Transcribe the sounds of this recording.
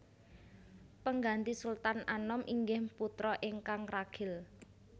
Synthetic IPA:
pəŋɡant̪isult̪ananɔmʔiŋɡɪhput̪ɾɔʔɪŋkaŋraɡ̥ʰɪl

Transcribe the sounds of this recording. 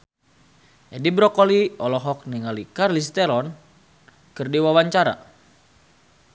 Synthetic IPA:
ʔɛdibɾɔkɔliɔlɔɦɔk̚niŋalikarlis̬t̪ɛlɔn | kɨrdiwawaɲt͡ʃaɾa̰

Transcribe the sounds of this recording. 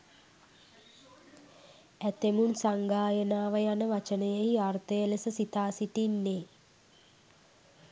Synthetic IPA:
æt̪emunsaŋɡaːjənaːʋəjanəʋat͡ʃənəjeɦiart̪əjəlesəsit̪aːsiʈinːeː

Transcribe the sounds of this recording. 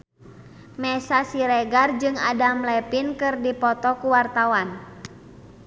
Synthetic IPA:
mɛsasiɾɛɡard͡ʒɨŋadamlɛpinkɨrdipɔt̪ɔkuwart̪awan

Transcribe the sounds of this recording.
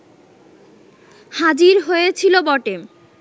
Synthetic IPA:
had͡ʑiɾɦojet͡ɕʰilobɔʈem

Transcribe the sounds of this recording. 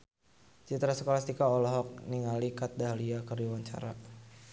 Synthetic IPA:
t͡ʃit̪ɾasəkolast̪ikaɔlɔɦɔk̚niŋalikat̪̚daɦaliakərdiwaɲt͡ʃa̰ɾa̰

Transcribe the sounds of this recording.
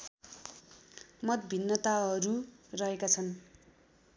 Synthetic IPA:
mʌt̪bʱinːʌt̪aɦʌɾurʌɦekat͡sʰʌn

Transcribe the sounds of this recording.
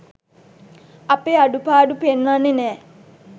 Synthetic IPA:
ɐpeːaɖupaːɖupenʋanːenɛː

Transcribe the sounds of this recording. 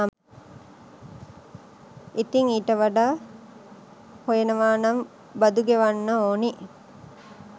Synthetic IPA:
it̪iŋiːʈəʋaɖaː | hojenəʋaːnam | bad̪uɡeʋanːəoːni

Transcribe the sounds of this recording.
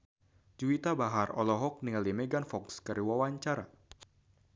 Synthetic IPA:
d͡ʒuit̪abaɦarɔ̰lɔɦɔk̚niŋalimɛɡanfɔkskəɾiwawaɲt͡ʃaɾa̰

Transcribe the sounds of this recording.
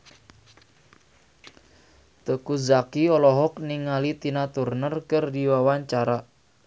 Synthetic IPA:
t̪əkuzakiɔlɔɦɔk̚niŋalit̪inat̪urnərkərdiwawaɲt͡ʃaɾa

